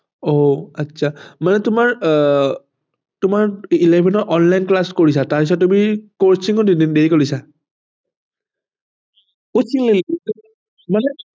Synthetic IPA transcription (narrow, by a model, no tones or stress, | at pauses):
oatːsʰamanɛtʊmaɹ | tʊmaɹilebʱɛnɔʔɔnlajnklaskoɹisataɹpis̬ɔt̚ːumikoɹsiŋɔdinindeɹikolisa | osiŋlelitu | manɛ